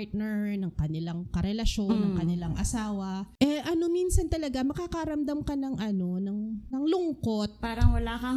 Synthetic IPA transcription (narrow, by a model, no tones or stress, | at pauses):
ɹt̪̚nɛɹnɐŋkɐnɪlaŋkɐɾɛlɐʃo̞nːɐŋkɐnɪlaŋʔɐsaːwɐʔɛʔɐno̞minsɐnt̪ɐlɐɡamɐkakɐɾɐmd̪amkɐnɐŋʔɐno̞nɐŋnɐŋlʊŋko̞t̪̚paːɾɐŋwɐlaːkɐ